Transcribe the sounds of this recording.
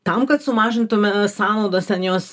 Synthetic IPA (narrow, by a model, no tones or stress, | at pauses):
t̪ɐmkɐt̪sʊmɑːʒʲɪnt̪ʊmʲɛsɑːnɐʊd̪oːst̪ʲɛnjoːs